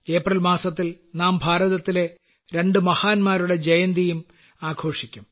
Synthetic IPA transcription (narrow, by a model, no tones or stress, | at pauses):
e̞ːprɐlmaːsɐt̪ːil | naːmbʱaːɾɐðɐt̪ːile̞ | ɾe̞ɳɖɨmɐhaːnmaːɾuɽe̞d͡ʑejɐnd̪ijum | aːɡʰo̞ːʂikʲːum